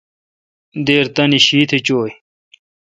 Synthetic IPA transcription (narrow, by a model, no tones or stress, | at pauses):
d̪eːɾt̪ɐniɕiːt̪ʰet͡ɕoːj